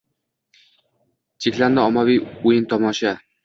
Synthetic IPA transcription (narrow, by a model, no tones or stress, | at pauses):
t͡ʃʰekʲland̪ɪɒmːavijujɪnt̪ʰɒmɒʃa